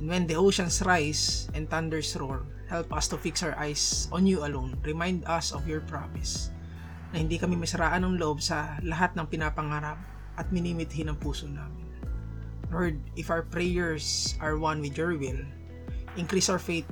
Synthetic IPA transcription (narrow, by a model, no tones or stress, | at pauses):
nwɛnd̪iʔoʃɐnsɾajsɛ̃n̚t̪and̪ɛɹsɹol | hɛlpʔɐst̪ʊfɪksawɹʔajsʔɔ̃njuɐlõnɹɛmajnd̪ɐsɔvjɔɹpɹa̰mɪs | nɐhɪnd̪ikɐmɪmɐsɐɾaːʔɐnɐŋlʔobsɐlɐɦat̪̚nɐŋpɪnapɐŋaːɾɐp̚ | ʔɐt̪̚mɪniːmɪt̪hɪnɐŋpuːsonaːmɪn | lɔɹd̪̚ʔɪfawɐpɹɛjɛɹsɐɹwɐ̃nwɪd̪jɔɹwɪl | ʔɪŋkɾisoɹfejt̪̚